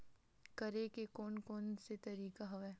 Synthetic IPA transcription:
kɐɾekekoːnkoːnset̪ɐɾiːkaɦɐʋɛː

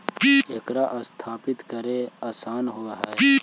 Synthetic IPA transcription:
eːkɾaʔɐst̪ʰaːpɪt̪kɐɾeaːsaːnɦoːɐɦa

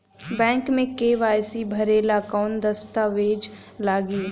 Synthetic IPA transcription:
bɛ̃ːŋkmẽkeːʋaːjsibʱɐɾeːlakɔːnd̪ɐst̪aʋeːd͡ʒ | laːɡiː

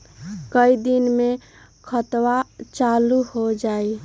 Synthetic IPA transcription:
kəid̪inme | kʰət̪wat͡ʃaluhod͡ʒae

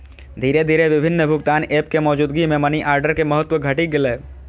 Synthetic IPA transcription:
d̪ʱiːɾed̪ʱiːɾeʋɪbʱɪnːəbʱʊɡt̪aːneːp̚kemɔːd͡ʒuːd̪ɡimẽməniʔaːɾɖəɾkeməɦət̪wəɡʱəʈiɡɪleː

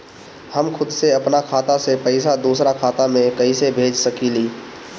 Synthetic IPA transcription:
həmkʰʊd̪seɐpnakʰaːt̪asepɐɪsad̪uːsɾakʰaːt̪amẽkɐisebʱeːd͡ʒsɐkiliː

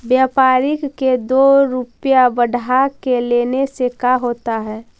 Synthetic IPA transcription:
bjaːpaːɾɪkked̪oɾupjabəɽʱakeleːnesekaɦoːt̪aɦɛː

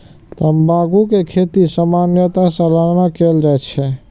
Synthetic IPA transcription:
t̪əmbaɡukekʰet̪isəmanjət̪asə̃laɽnakelɾəɦɛt͡ʃʰɛ

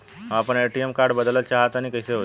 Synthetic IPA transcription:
ɦapəɳeʈiemkaɾɖbəd̪lət̪t͡ʃaɦət̪aɽ̃ikəjseɦo

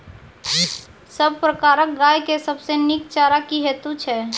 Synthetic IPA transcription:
səb̚pɾəkaːɾək̚ɡaːjkesəbsenɪk̚t͡ʃaːɾakiɦɛːt̪ut͡ʃʰɛː

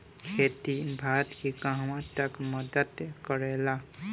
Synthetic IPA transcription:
kʰet̪ibʱat̪kikãɦmãt̪əkməd̪ət̪kəɾɛla

